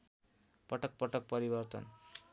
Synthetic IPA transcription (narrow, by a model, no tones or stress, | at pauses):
pʌʈʌk̚pʌʈʌk̚pʌɾibʌrt̪ʌ̰n